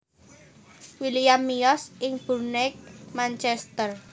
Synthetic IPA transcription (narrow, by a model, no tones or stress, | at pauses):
wilijamːiɔsɪŋb̥ṳrnɛk̚mant͡ʃɛst̪ər